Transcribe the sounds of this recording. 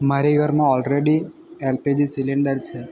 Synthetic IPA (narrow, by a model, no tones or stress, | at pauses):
maɾiɡʱəɾmãɔlɾeɽi | elped͡ʒisileɳɖəɾt͡ʃʰe